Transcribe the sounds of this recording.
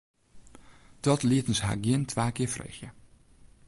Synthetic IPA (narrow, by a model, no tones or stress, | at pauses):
d̥ɔtliətən̩sɦa̰ːɡjɪntʰʋaːkɪəfrḛːxjə